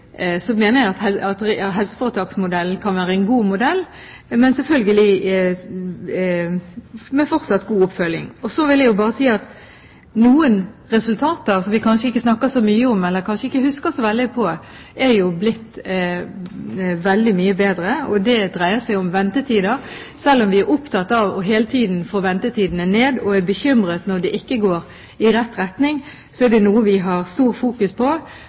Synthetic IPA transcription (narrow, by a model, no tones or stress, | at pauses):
sɔmeːnəjæɪɑt̪ɛɑt̪ɑɦɛlsə̥fɔɾət̪ʰɑːksmʊd̪ɛln̩kʰɑnʋæːɾəɛnɡuːmʊd̪ɛlː | mɛnsɛlfœlɡəlɪ | mɛfɔʁt̪sɑt̪ːɡuːʊpfœlːɪŋɔsɔʋɪljæɪjʊbɑːʁəsiːɑt̪ | nuːənɾɛsʉlt̪ʰɑːt̪əsɔmʋɪkʰɑnʃəɪkːəsnɑkːəsɔmyːəɔmɛlːəɾkʰɑnʃəɪkːəhʉskəsɔʋɛld̪ɪpʰɔ | ɛɾjʊblɪt̪ː | ʋɛld̪ɪmyːəbeːd̪ɾəɔd̪ɛd̪ɾæɪəsæɪɔmʋɛnt̪ət̪ʰiːd̪əɾ | sɛlːɔmʋɪæɾʔʊpt̪ʰɑt̪ːɑʋɔ̰ɦeːlət̪ʰiːd̪n̩fɔɾʋɛnt̪ət̪ʰiːd̪ənəneːd̪ɔæbəçʏmɾət̪nɔʁd̪ɛʔɪkːəɡoːɾ | ɪɾɛt̪ːɾɛt̪nɪŋ | sɔɛɾd̪ɛnuːəʋɪɦɑʁst̪uːɾfuːkʉspʰɔ